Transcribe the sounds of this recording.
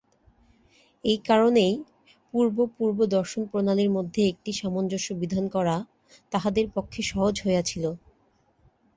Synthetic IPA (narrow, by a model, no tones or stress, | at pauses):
ejkaɾonej | puɾbopuɾbod̪ɔɾʃonpɾonaliɾmod̪ʱːeek̚ʈiʃamond͡ʑoʃubid̪ʱankɔɾa | t̪aɦad̪eɾpokʰːeʃɔɦod͡ʑɦoeat͡ɕʰilo